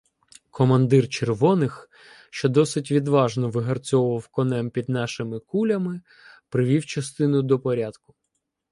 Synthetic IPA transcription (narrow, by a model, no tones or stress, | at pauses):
kɔmɐnd̪ɪrt͡ʃerʋɔnɪx | ʃt͡ʃɔd̪ɔsɪtʲʋʲid̪ʋɑʒnɔʋɪɦɐrt͡sʲɔwʊʋɐwkɔnɛmpʲid̪nɑʃɪmɪkulʲɐmɪ | pɾɪʋʲiwt͡ʃɐst̪ɪnʊd̪ɔpɔɾʲad̪kʊ̥